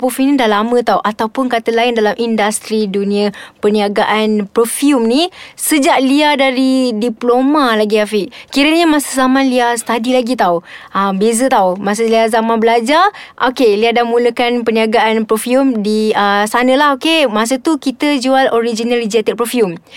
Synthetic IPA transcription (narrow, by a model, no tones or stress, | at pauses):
pofumnidahlamə̃t̪awʔat̪awpʊnkat̪əlaɪndalamʔindast̪ɾiduniə̃pəniaɡaʔanpɾofjumnisəd͡ʒaʔliadaɾidiplomalaɡiafiʔkiɾəɲamasə̥zamãnliasə̥t̪adilaɡit̪awəbezət̪awmas̬əliazamãnbəlad͡ʒaʔokeliahdamuləkanpəniaɡaʔanpɾofjumdiəsanəlaɦokemas̬ət̪ukit̪əd͡ʒualoɾid͡ʒinalid͡ʒat̪ɛk̚pɾofjum